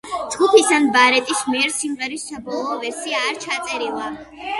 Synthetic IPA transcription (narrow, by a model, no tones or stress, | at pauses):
d̪z̥ɡupʰisanbaɾɛt̪ʼismiɛɾsimʁɛɾissabɔlˠɔːvɛɾsiaːɾt͡ʃʰat̪sʼɛɾilˠa